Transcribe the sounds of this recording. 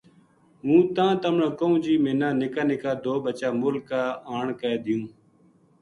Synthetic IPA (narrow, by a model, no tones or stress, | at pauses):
ɦũːt̪ãːt̪əmɳãːkoũːd͡ʒiːmẽːnãːnɪkaːnɪkaːd̪oːbət͡ʃaːmʊlkːaːaːɳkəːd̪ɪjũː